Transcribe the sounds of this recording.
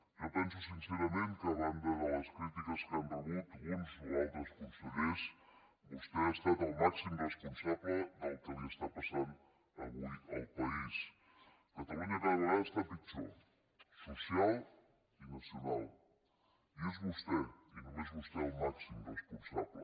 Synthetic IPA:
ʒopɛnsusinseɾəmẽŋk̪əːβand̪əðələskɾit̪ikəskamb̪uɣut̪unzualˠt̪ɾəskunsuβes | bust̪east̪at̪əlˠmaksimrrəspunsaβləd̪əlˠkəʎəst̪apasan | əβuə̰lˠpəis | k̪ət̪əmeneɾaβuɾaəst̪apit͡ʃo̰ | susialˠ | inəsjunalˠ | juzβust̪ɛinumezβust̪ɛəlˠmaksimrəspunsaβlə̰

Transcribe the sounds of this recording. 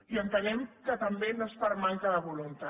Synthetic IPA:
iənt̪ənɛmkət̪əmbenospəɾmaŋkəðəβulunt̪a

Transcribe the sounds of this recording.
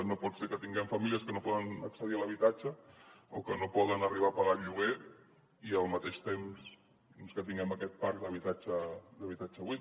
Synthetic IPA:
nopɔt̪seɾkət̪iŋɡɛmfɐmiliəskənopɔðənəksəðiələβit̪at͡ʃəokənopɔðənəriβ̞apaɣaʎuɣ̞e | iəlˠmət̪eʃt̪ems | d̪ɔnskət̪iŋɡɛməkɛt̪̚paɾk̚d̪əβ̞it̪at͡ʃəd̪əβit̪at͡ʃəβwi

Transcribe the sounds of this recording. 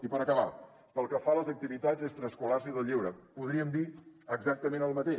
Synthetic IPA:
ipəɾəkəβa | pəlˠkəfaləzək̚t̪iβit̪ad͡zest̪ɾəskulaɾsiðəlˠʎiwɾəpuðɾiəmd̪iəɡzak̚t̪əmenəlˠmət̪eʃ

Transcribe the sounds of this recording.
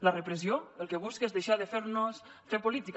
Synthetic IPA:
larepɾezioelˠkeβ̞uskezðeʃaðefeɾnos | fepolit̪ik

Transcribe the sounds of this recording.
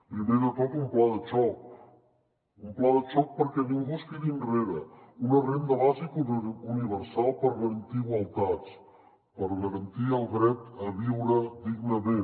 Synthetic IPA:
pɾimeðəkɔpumplaðət͡ʃɔk | umplaðət͡ʃɔk̚pəɾkɛnumβuskiðinreɾəunərend̪əβazikuuniβəɾsalˠpəɾɣəɾənt̪iɣwəlˠt̪at͡s | pəɾɣəɾənt̪iəlˠɣɾɛt̪əβiwɾəd̪iɡnəme

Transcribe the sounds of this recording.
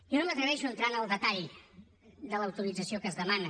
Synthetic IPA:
jonomət̪ɾəβɛʃuənt̪ɾanəlˠd̪ət̪aʎ | d̪ələwt̪uɾid͡zəsiokəzðəmanə

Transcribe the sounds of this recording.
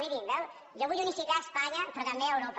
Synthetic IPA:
iðimbɛw | joβujunisikaespaɲɐpɾɔt̪ɐmbeawɾop

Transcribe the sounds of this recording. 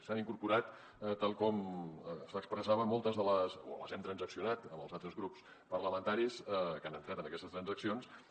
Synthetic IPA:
saniŋkuɾpuɾat̪ | t̪ːalˠkɔmsəkspɾəsaβəmɔlˠt̪əzðələso̰ə̰lə̰zɛmt̪ɾənzəksiunat̪əməlˠzalˠt̪ɾəzɣɾups | pərləmənt̪aɾisɛkanənt̪ɾat̪ənəkɛst̪əst̪ɾənzəksions

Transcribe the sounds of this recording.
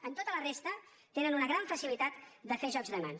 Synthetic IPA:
ənt̪ot̪ələrest̪ə | t̪enənunəɣɾaɱfəsilit̪at̪d̪əfeʒɔɡzðəma̰n

